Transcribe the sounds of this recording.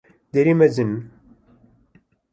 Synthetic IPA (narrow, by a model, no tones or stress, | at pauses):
d̪eɾimæzən